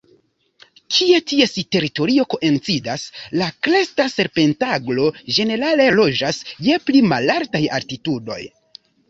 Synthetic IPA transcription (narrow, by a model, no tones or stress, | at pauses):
kʰietiesite̞ɾito̞ɾio̞ko̞ʔe̞nt͡sidaslaklestase̞ɾpe̞ntaɡlo̞ʒe̞ne̞ɾale̞lo̞d͡ʒasje̞plima̰laɾtaja̰ltitudo̞̰j